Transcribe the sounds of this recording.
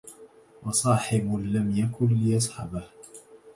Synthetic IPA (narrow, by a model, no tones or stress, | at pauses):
wɑsˤɑːħɪblːamjakʊnlɪjɑsˤħɑ̰bah